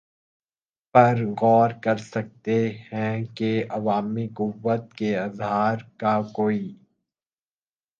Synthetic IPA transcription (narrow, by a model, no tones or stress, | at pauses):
pɐɾɣɔːɾkɐɾsɐk̚t̪ehɛ̃keɐʋaːmiqʊʋːət̪̚keɪzɦaːɾkakoːi